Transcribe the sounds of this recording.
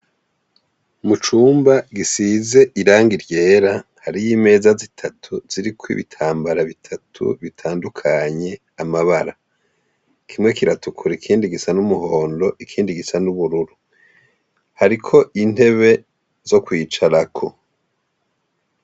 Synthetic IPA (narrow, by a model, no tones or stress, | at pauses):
mut͡ʃuːmbaɡisize̞ʔiɾaːŋɡiɾje̞ːɾahaɾijime̞ːzazitʰatʰuz̥iɾikʰwḭβḭtʰaːmbaɾaβitʰatʰṵβitʰaːndukʰaɲe̞ | amaβaɾa | kʰimŋe̞kiɾatukʰuɾikʰiːndiɡisanumuho̞ːndo̞ʔikʰiːndiɡisanuβuɾuɾu | haɾikʰo̞ʔin̥e̞βe̞ | zo̞kwiːt͡ʃaɾakʰo̞